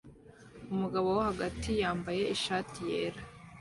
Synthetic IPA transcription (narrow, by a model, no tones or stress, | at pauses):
umuɡaβowohaɡatijaːmbaje̞iʃaːtije̞ːɾa